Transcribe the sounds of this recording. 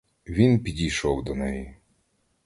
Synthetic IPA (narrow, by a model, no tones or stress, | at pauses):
ʋʲinpʲidʲiʃɔwd̪ɔnɛji